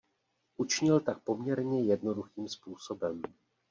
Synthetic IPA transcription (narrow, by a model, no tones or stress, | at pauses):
ʔut͡ʃɪɲɪlt̪ak̚po̞mɲɛɾɲɛjɛdno̞duxiːmspuːso̞bɛm